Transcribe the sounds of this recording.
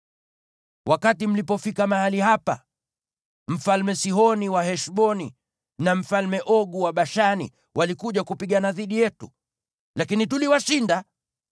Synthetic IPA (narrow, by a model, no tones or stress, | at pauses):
wʔakatim̩lipɔfikamahalihapa̰ | m̩falmɛsiɦɔniwaɦɛʃɓɔni | nam̩falmɛʔɔɠuwaɓaʃanḭ | walikuʄakupiɠanaðiɗijɛtṵ | lakinituliwaʃinda